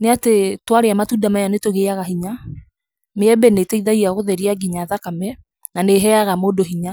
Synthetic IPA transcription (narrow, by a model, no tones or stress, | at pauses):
neatetwaɾeamatuːdamajɔnetoɣeaɣaɦiɲa | meɛbɛneteiðaiaɣoðɛɾiaɡiɲaðakamɛ | naneɦɛaɣamoːdoɦiɲa